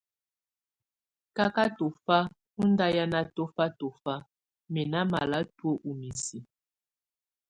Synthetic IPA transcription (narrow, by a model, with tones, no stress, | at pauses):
ka˦ka˦to˨fa˦ | u˦nda˦ja˦na˦to˦fa˦to˨fa˦ | mɛ˨na˦ma˨la˦two˦ʔu˨mi˨si˨